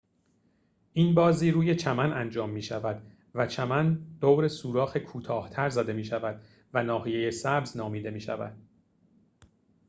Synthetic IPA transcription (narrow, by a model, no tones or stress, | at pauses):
ʔiːnbɒːziːɾuːje̞t͡ʃʰæmænʔænd͡ʒɒːmːiːʃævæd̪ | væt͡ʃʰæmænd̪̥owɾesuːɾɒːxe̞kʰuːt̪ʰɒːht̪ʰæɾzæd̪e̞miːʃævæd̪̥ | vænɒːɦije̞jesæbznɒːmiːd̪e̞miːʃæ̰væ̰d̪̥̚